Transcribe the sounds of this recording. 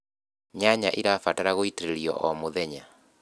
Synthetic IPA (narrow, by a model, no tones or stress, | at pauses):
ɲaɲaʔiɾafataɾaɣoiteɾeɾiɔ̰ʔɔmoðɛɲa